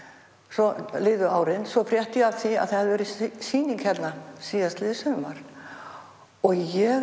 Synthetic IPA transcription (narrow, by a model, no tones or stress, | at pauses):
sɔlɪːðʏaːwɾɪnsɔfɾjɛht̪ɪjɛavθia̰ðθahaðɪvɛːɾɪsiːniŋkhɛt̪nasiːjast̪lɪːðsœmaɾ̥ | ɔɣjɛ